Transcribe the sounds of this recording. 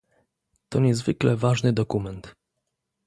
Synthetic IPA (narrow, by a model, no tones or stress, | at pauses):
t̪ɔɲɛzvɘklɛvaʐnɘd̪ɔkumɛnt̪